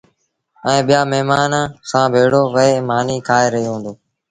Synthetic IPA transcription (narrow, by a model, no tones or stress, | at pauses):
ɛ̃ːɓɪjaːmɛɦmaːnsãːbʱeːɽoːʋəeːmaːniːkʰaːeːɾəɦjːɦũːnd̪oː